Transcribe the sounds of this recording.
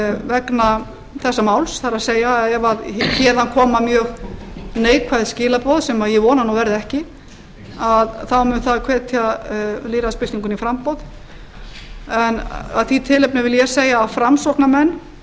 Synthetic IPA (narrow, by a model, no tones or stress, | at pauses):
vɛkna | θɛsːamawlsθaɾaðseːjaɛvaðçɛːðankʰɔːmamjœːɣneːjkʰvajðscɪːlapɔðsɛmaðjɛvɔːnanuvɛɾðɪɛhcɪ | aðθawmʏnθaðkʰvɛːt̪ʰaliːɾaspɪlt̪iŋkʏnifɾampɔwð | ɛna̰ðθit̪ʰɪlɛpnɪvɪljɛseːjaːfɾamsɔk̪namɛnː